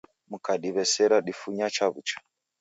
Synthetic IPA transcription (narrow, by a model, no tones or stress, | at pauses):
m̩kaɗiβɛsɛɾaɗifuɲat͡ʃaβut͡ʃḁ